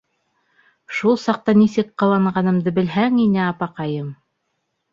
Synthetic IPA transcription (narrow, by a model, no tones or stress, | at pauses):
ʃulˠsɑq̚t̪ɑnisɘkqɑ̆w̪ˠɑɴɢɑnɤ̆md̪ɤbɘ̆lɦæŋinɘɑpɑqɑjɤm